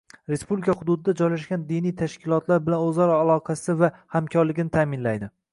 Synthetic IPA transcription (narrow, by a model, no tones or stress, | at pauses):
ɾe̞spublikʰahʊd̪ʊd̪ɪd̪ad͡ʒɒjlaʃɡʲand̪inijt̪ʰaʃkʲʰɪlˠɒt̪laɾbɪlanozɒɾalˠɒqʰɑsɪvahamkʲʰɒɾlɪɡʲɪnɪt̪ʰaːmɪnlajd̪ɪ